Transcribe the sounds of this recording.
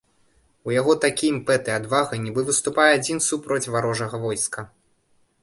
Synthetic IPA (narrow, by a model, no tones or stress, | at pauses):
ujaɣɔt̪akʲimpɛt̪ɨad̪vaɣɐnʲibɨvɨst̪upajɛad͡zʲinsupɾɔt͡sʲvaɾɔʐɐɣɐvɔjskɐ